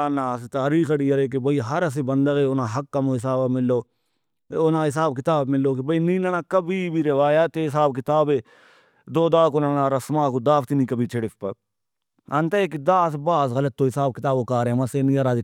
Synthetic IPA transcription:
nãːst̪aːɾiːxəɽiːəɾeːk̬ebəiːɦɐɾəs̬eːbənd̪əɣeːʊnãːɦɐkːamõːɦɪs̬aːbamɪlːoː | onãːɦɪs̬aːb̚kɪt̪aːbmɪlːoːkibəiːnĩːnaːnaːkəbiːbʱiːɾeʋaːjaːt̪eɪsaːbkɪt̪aːbeː | d̪oːd̪aːkonaːnãːɾəsmãːkod̪aːft̪inĩːkəbiːt͡ʃʰeɽɪfpə̰ | ənt̪eekid̪aːsbaːsɣələt̪ːoːɦɪsaːbkɪt̪aːboːkaːɾẽməseːnĩːaɾaːd͡ʒ

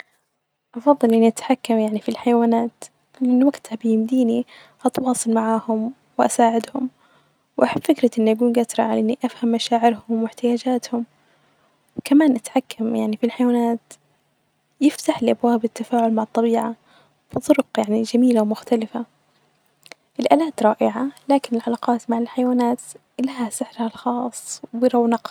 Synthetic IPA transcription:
ʔɑfɑðˤːɨlʔɪnːiʔat̪ħakːamjaʕnifilħajawaːnaːt̪ | lɪʔɪnːwaɡt̪habɪjɪmd̪iːni | ʔɑt̪wɑːsˤɨlmaʕaːhʊm | wɪʔasaːʕɪd̪hʊm | wʔaħabːfɪkɾɑʔɪnːiʔaɡuːnɡat̪ɾˤɑʕa̰laʔɪnːiʔafhamːaʃaːʕɪɾhʊmwɪħt̪ɪjaːd͡ʒaːt̪hʊm | wkamaːnʔat̪ħakːamjaʕnifilħajwaːnaːt̪ | jɪft̪aħliʔabwaːbɪt̪ːafaːʕʊlmaʕɑt̪ˤːɑbiːʕa | b̥ɨt̪ˤʊɾʊqjaʕnid͡ʒamiːlawmʊxt̪alɪfa | ʔɪlʔaːlaːt̪ɾˤɑːʔɪʕalaːkɪnɪlʕalaːqɑːt̪maʕɪlħajwaːnaːt̪ | laɦasɪħɾhalxɑːsˤːwɪɾɑwnɑq

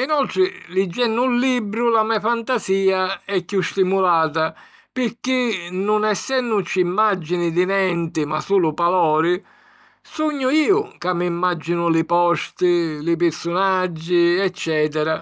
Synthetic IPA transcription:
inɔlt̪ɾɪlid͡ʒːɛnːʊlːibɾʊlamɛfant̪asiːaɛkːust̪imulaːt̪̬a | pɪɾkinːʊnɛsːɛnːʊt͡ʃːimːad͡ʒːinɪd̪ɪnɛnt̪ɪma̰suːlʊpalɔːɾɪ | suɲːʊiːʊkamːiːmːad͡ʒːinʊlɪpɔst̪ɪlɪp̬ɪɾsʊnad͡ʒːiɛt͡ʃːɛːt̪̬ɛɾa

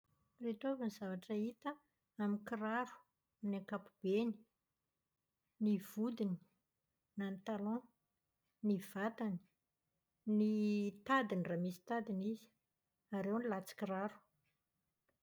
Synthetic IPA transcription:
ret̪ovanizavaʈ͡ʂəit̪ə | amikiraɾu̥ | naŋkapub̥eni̥ | niv̥ud̪ini̥ | nant̪alɔ̃ | niv̥at̪ani̥ | nit̪ad̪iniramisi̥t̪ad̪inizi̥ | aɾewnilat͡si̥kiraɾu̥

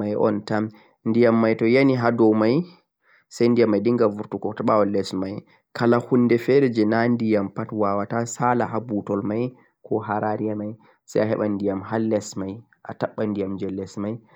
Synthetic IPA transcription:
ajʔɔ̰ntam | ndijamːajtɔjaniɦadɔwmaj | sajndijamːajdiŋɡavuɾtukɔtaɓawɔlɛsmaj | kʰalahunːdɛfɛɾɛd͡ʒɛnandijampatwawatasala̰habutɔlmaj | kʰɔɦaɾaɾijamaj | sa̰jaɦɛ̰ɓandijamɦalːɛsmaj | ʔa̰taɓːandijamd͡ʒɛlːɛsmaj

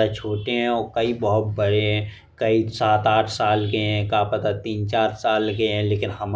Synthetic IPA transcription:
at͡ʃʰoːʈeɦɛ̃ɔːkəibəɦʊt̪̚bəɾeɦɛ̃ | kəisaːt̪aːʈʰsaːlɡəeɦɛ̃kaːpət̪at̪iːnt͡ʃaːɾsaːlɡəeɦɛ̃leːkɪnhəm

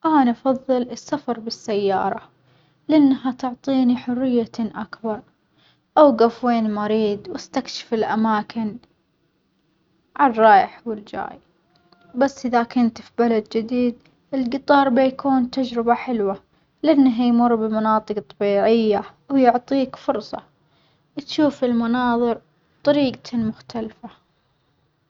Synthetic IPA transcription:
ʔaːnaʔfɑðˤːɨlɪsːafɑɾˤbɪsːajːɑ̰ːɾˤɑ | lɪʔanːɦat̪ʊʕt̪ˤiːniħʊrːɪjːaʔakbɑɾˤ | ʔawɡafweːnmaɾiːd̪wɪst̪akʃɪ̥fɪlʔamaːkʰɪn | ʕarˤːɑːjɪħwɪld͡ʒa̰ːj | basːʔɪðakʊnt̪fibalad̪d͡ʒɪd̪iːd̪ | ɪlɡɨt̪ˤɑːɾˤbajkʰuːnt̪ad͡ʒɾɪbaħɪlwa | lʔanːaɦjmʊrːbɪmʊnɑːt̪ˤɨqt̪ˤːɑbiːʕɪjːa | wjʊʕt̪ˤiːkfʊɾsˤɑ̰ | wt̪ʃuːfɪlmanɑːðˤɨɾ | t̪ˤɑɾiːɡ̪mʊxt̪alfa

